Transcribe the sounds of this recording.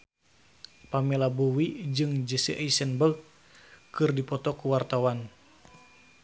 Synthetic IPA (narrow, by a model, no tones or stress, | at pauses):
pamɛlabuwid͡ʒɨŋd͡ʒɛsɛʔisɛnbəɡ | kɨrdipɔt̪ɔkuwart̪awan